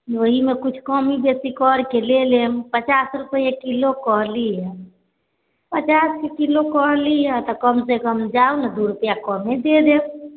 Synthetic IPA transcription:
ʋoɦimekut͡ʃʰkəmibesikɔɾkelelempət͡ʃasɾupəjekilokəɦliɦɛ | pət͡ʃaskekilokɔɦlijɛ̃t̪ɔkəmsekəmd͡ʒaunəd̪uɾupjakɔmed̪ed̪em

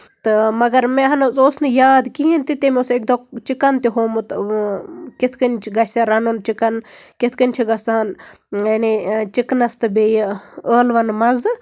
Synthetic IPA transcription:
t̪ɨmɐɡɐɾmẽɦɐnsoːsnɨjaːd̪kiint̪it̪emeosekd̪ot͡ʃikɐnt̪iɦoːmut̪ | kɪt̪ʰkɐnʲt͡ʃʰɡɐsɐɾɐnunt͡ʃikɐnkɪt̪ʰkɐnʲt͡ʃʰiɡɐst̪aːn | ɐnit͡ʃiknɐst̪ɨbejəːlʋɐnmɐz

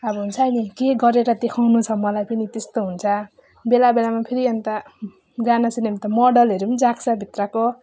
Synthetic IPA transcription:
ʌbʌɦunt͡sʰʌʌnikeɡʌɾeɾʌd̪ekʰaw̃nut͡sʰʌmʌlajpʌnit̪est̪oɦunt͡sʰʌ | belabelamapʰiɾiʌnt̪a | d͡zanasinemt̪ʌmʌɽʌlɦʌɾumd͡zaksʰʌbʱit̪rʌko

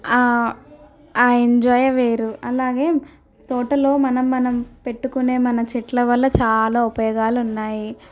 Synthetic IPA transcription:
aː | aːeɲd͡ʒɔːjɐʋeːɾuɐlaːɡe̞ː | t̪ɔːʈɐlo̞ːmɐnɐmːɐnɐmpe̞ʈːukune̞ːmɐnɐt͡ʃɛʈlɐʋɐlːɐt͡ʃaːlaːupɐjɔːɡaːlunːaːji

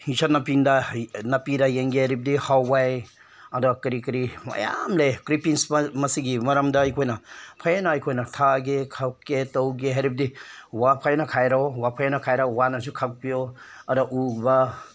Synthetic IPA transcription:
hisanɐpindɐnɐpidɐjeŋɡeɦaɾip̚dihawːaj | ɐdɐkɐɾikɐɾimɐ̰ja̰mlekɾipiŋsmɐsiɡimɐɾɐmdɐɐjkʰojnɐpʰajnɐɐjkʰojnɐtʰaɡekʰakːetɐwɡeɦaɾip̚diwapʰajnɐkʰajɾawapʰajnɐkʰajɾawanɐsukʰak̚pijoɐɾɔʔubɐ

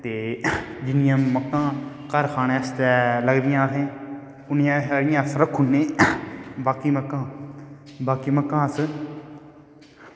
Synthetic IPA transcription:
t̪eːd͡ʒɪnɪjãːməkːãː | kəɾkʰaːnẽːst̪ɛːləɡd̪ɪjãːsẽː | ʊnjãːɦɽɪjãːsɾəkʰːʊnːẽː | baːkiːməkːãː | baːkiːməkːãːs

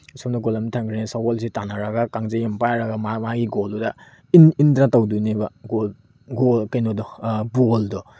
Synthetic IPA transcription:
sɔmdaɡolamitʰaŋɡɾenesawɔlsitanaɾaɡakaŋzejampajɾaɡamamaɡiɡoluda | inindɾatawdujnebaɡol | ɡolkajnɔdɔbuldɔ

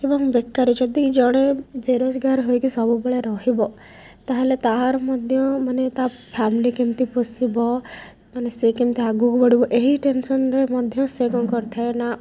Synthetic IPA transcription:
ebɔŋbekːaɾid͡ʒɔd̪id͡ʒɔɽ̃ebʱeɾod͡ʒɡaɾɦojkisɔbubeɭeɾɔɦibɔ | t̪aɦelet̪aɦɾɔmɔd̪ʱjɔmanet̪a | pʰamilikemt̪ipɔsibɔ | manesekimt̪iaɡuɦbɔɽibɔʔeɦiʈensɔnɾemɔd̪ʱjɔseɡɔkɔɾt̪ʰaena

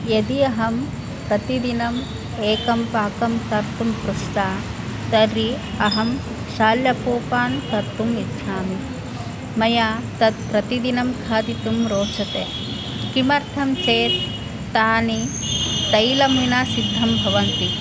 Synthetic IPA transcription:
jɐd̪iɐɦɐm | pɾɐt̪id̪inɐm | eːkɐmpaːkɐmt̪ɐɾt̪umpɾuʂt̪aː | t̪ɐɾi | ɐɦɐm | ʃaːljɐpuːpaːnk̪ɐɾt̪umid̪ʃaːmi | mɐjaːt̪ɐt̪̚pɾɐt̪id̪inɐmkʰaːd̪it̪umɾoːt͡ʃʰɐt̪eː | kimɐɾt̪ʰɐmt͡ʃeːt̪ː | aːni | ɐjlɐmʋinaːsid̪ʱːɐmbʱɐʋɐnt̪i

